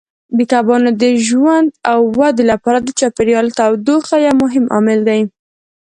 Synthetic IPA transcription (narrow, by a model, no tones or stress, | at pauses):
bikabɑnod̪əʒwand̪awːad̪elapɑɾad̪ət͡ʃɑpeɾjɑlt̪awd̪oxajamʊɦɪmʔɑ̰mɪld̪aj